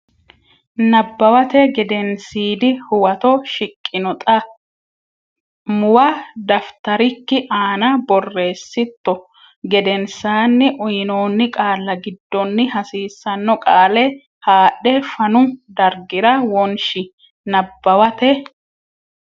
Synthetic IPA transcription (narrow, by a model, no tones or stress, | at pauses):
nɐbːɐwɐt̪ɛɡɛd̪ɛnsiːd̪ɪhʊwɐt̪ɔʃɪkʼːɪnɔt̪ʼɐ | mʊwɐd̪ɐft̪ɐɾɪkːɪʔaːnɐbɔrːe̞ːsːɪt̪ːɔ | ɡɛd̪ɛnsaːnːɪʔʊjɪno̞ːnːɪkʼaːlːɐɡɪd̪ːɔnːɪhɐsiːsːɐnːɔkʼaːlɛ | haːɗːɛfɐnʊd̪ɐɾɡɪɾɐwɔnʃɪ | nɐbːɐwɐt̪ɛ